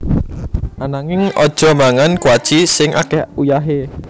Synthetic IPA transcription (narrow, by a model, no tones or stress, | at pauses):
anaŋɪŋʔɔd̥ʒ̥ɔ̤maŋankwad̥ʒ̥isɪŋʔa̰kɛhujaɦe